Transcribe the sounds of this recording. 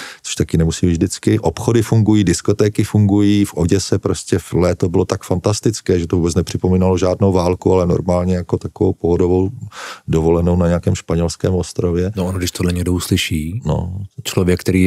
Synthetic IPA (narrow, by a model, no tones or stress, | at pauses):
t͡so̥ʃt̪akɪnɛmusiːmivʒdɪt͡skɪʔopxodɪfuŋɡujiːdɪskot̪ɛːkɪfuŋɡujiːfʔo̞ɟɛsɛpɾo̞scɛflɛːt̪obɪlo̞t̪akfant̪ast̪ɪt͡skɛːʒɛt̪ovubɛt͡snɛpr̝̥ɪpomiːnaloʒaːdnowvaːlkualɛno̞̰ɾmaːlɲɛjakot̪akovowpoɦodovowdovo̞lɛnownaɲɛakɛːmʃpaɲɛlskɛ̰ːmʔo̞st̪ɾovjɛnoʔonɡdɪʃt̪odlɛɲɛɡ̚douslɪʃiːno̰t͡ʃlovjɛkt̪ɛɾiː